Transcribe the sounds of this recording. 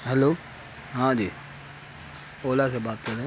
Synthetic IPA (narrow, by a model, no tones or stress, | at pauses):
ɦɛloː | ɦãːd͡ʒiː | oːlasebaːt̪̚kəɾẽː